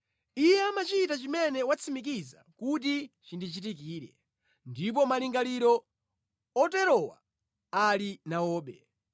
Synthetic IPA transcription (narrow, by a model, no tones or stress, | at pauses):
ijɛamat͡ʃitat͡ʃimɛnɛwat͡sʰimik̬iza̰kut̬it͡ʃindit͡ʃit̬ik̬iːɾɛ̰ | ndip̬ɔmaliŋɡaliɾɔ | ɔtɛɾɔwa̰ | alinaɔːɓɛ